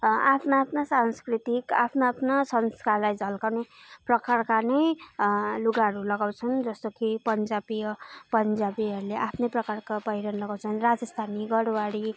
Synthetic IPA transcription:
apʰnaːpʰnasanskrit̪ika̰pʰnaapʰnasʌnskarlajd͡zʌlkawneprʌkarkanʌj | luɡaɦʌɾulʌɡawt͡sʰʌnd͡zʌst̪okipʌnd͡zabiʌpʌnd͡zabiʌɾuleʔapʰnʌprʌkarkabʌjɾʌnlʌɡawt͡sʰʌnrad͡zʌst̪ʰaniɡʌɾwaɽi

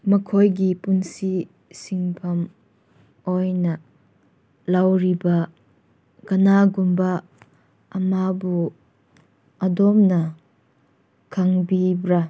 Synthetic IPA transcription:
mɐkʰɔjɡipunsi | siŋpʰɐm | ɔjnɐ | lawɾiba | kɐnaɡumba | ʔːmabu | ʔɐdɔmnɐ | kʰaŋbibɾa

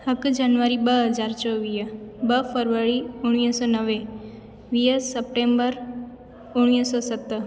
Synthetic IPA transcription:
həkd͡ʒanʋəɾibəɦəd͡ʒaɾt͡ʃɔʋijəbəpʰəɾʋəɭiuɽ̃isɔnəʋe | ʋiəsəp̚ʈembəɾ | uɽisɔsət̪ːə

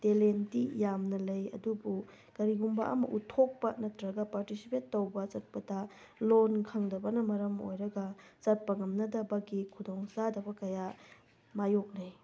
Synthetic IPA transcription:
telentijamnɐlɐjɐ̰dubu | kɐɾiɡumba̰ʔɐ̰mɐ̰ʔutʰːok̚pɐnɐtɾɐɡɐpaɾtisi̥petːowbɐt͡ʃɐt̚pɐta | lonkʰɐŋdɐbɐnɐmɐɾɐmo̰jɾɐɡɐt͡ʃɐt̚pɐŋɐmnɐdɐbɐɡikʰudoŋsadɐbɐkɐja | majok̚naj

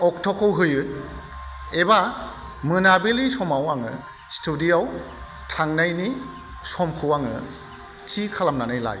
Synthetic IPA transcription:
ɔk̚tʰɔkʰɔwɦɯjɯ | eba | mɯnabilisɔmawaŋɯ̰ | stʰudiaw | tʰaŋnajni | sɔmkʰɯwaŋɯ̰ | tʰikʰalamnanajla̰j

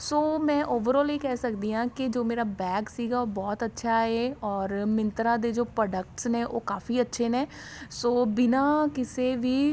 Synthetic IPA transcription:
soːmɛ̃ːʔoːʋəɾɔːleːkɛːsəkd̪iːɦãːkɪd͡ʒoːmeːɾaːbɛːɡsiːɡaːoːbɔːt̪ətːʃʰaːɦeːɔːɾmɪ̃nt̪ɾãːd̪eːd͡ʒoːpɾɔːɖək̚ʈsnẽːʔo̰ːkaːfiːətːʃʰeːneː | soːbɪnaːkɪseːʋiː

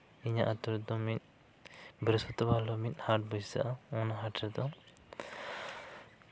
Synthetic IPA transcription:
iɲaʔat̪ɔɾut̪ːɔmit̪̚ | bɾsɔt̪ɔbalɔmit̪̚haʈ̚bud͡ʒza̰ʔaɔnaɦaʈɾɛd̪ɔ

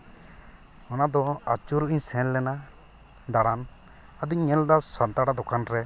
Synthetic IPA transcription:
ɔnad̪ɔat͡ʃuɾiɲsɛ̃nlɛna | d̪aɽan | ad̪uɲɛld̪asant̪aɽad̪ɔkanɾɛ

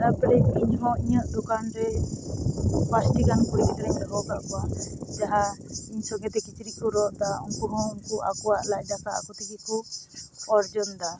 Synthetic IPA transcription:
ɾapɛlɛiɲɦɔ̃iɲəʔd̪ɔkanɾɛ | pasʈiɡankuɾikɛk̪aɾɛɲɾɛɦɔkaʔkɔad͡ʒaɦaiɲsɔɡɛt̪ɛkit͡ʃiɾikɔɾɔʔd̪auŋkuɦɔ̃unkuʔa̰kɔwaʔlaʔ̚d̪akaʔa̰kɔt̪ikɛkɔ | ɔɾd͡ʒɔnd̪a

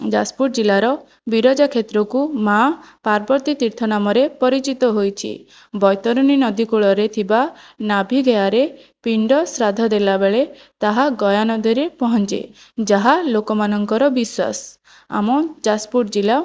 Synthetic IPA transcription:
d͡ʒaspuʈ̚d͡ʒilaɾɔ | biɾɔd͡ʒakʰet̪ɾɔkumapaɾbɔɾt̪it̪iɾt̪ʰɔnamɔɾepɔɾit͡ʃit̪ɔɦojt͡ʃʰḭ | bɔjt̪ɔɾɔninɔd̪ikuɭɔɾet̪ʰibanabʱiɡejaɾe | piɳɖɔsɾad̪ʱɔd̪elabeɭe | t̪aɦaɡɔjanɔd̪ʱɔɾepɔɦɔnt͡ʃḛd͡ʒaɦalokɔmanɔŋkɔɾɔbiswa̰s | a̰mɔd͡ʒaspuʈ̚d͡ʒila

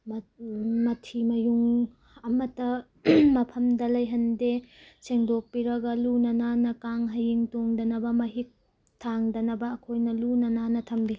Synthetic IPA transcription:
mɐmɐtʰimɐjuŋ | ɐmɐtːɐ | mɐpʰɐmdɐlɐjɦɐndeseŋdok̚piɾɐɡɐlunɐnanɐkaŋɦɐjiŋtoŋdɐnɐbɐmɐɦik̚ | tʰaŋdɐnɐbɐːkʰojnɐlunɐnanɐtʰɐmbi

